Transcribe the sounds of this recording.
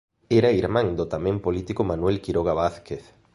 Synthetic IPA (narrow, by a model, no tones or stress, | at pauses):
eɾaiɾmãŋd̪ot̪amẽmpolit̪ikomanwelkiɾoɣaβaθkeθ